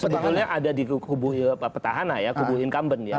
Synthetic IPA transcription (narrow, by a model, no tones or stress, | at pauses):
səbət̪ʊlɲaʔadadikubuɪpapət̪aɦanajakubuɪnkambənja